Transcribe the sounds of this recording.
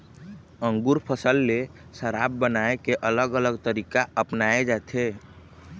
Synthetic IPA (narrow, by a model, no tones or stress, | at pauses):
ə̃ŋɡuɾpʰəsəlːe | səɾabːənaekeʔələɡələɡt̪əɾikaəpnaed͡ʒat̪ʰe